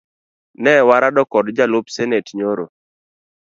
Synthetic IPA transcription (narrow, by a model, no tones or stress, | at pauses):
nɛwaɾadɔkɔdd͡ʒalopsɛnetɲoɾo̰